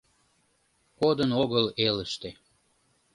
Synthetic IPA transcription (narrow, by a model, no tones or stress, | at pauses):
kod̪ənoɣəleləʃt̪e